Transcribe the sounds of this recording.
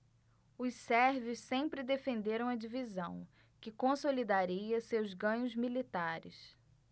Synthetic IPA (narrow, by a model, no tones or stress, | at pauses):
ʊssɛɾvɪssẽmpɾɪd̪efẽnd̪eɾɐ̃w̃ɐd͡ʒivizɐ̃w̃ | kɪkõsolid̪aɾiɐsewzɡɐ̃ɲʊzmilit̪aɾɪ̰s